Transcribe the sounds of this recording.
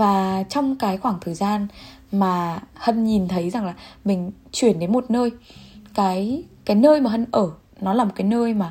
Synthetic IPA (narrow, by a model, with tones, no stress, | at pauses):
vaː˨˩t͡ɕɔ˧wŋ͡mkaː˨˦jxwaː˧˩ŋt̪ʰəː˨˩jzaː˧n | maː˨˩hə˧˩nɲi˨˩nt̪ʰə˨˦jza˨˩ŋlaː˨˩mï˨˩ŋ̟ | t͡ɕwi˧˩ənɗe˨˦nmo˨˩t̚nəː˧jkaː˨˦jkaː˨˦jnəː˧jmaː˨˩ɦə˧nʔəː˧˩ | nɔ˨˦laː˨˩mo˨˩t̚kaː˨˦jnəː˧jmaː˨˩